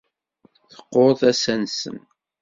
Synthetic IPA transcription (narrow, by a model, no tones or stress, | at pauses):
θə̥qːoɾˤðæsænsə̰n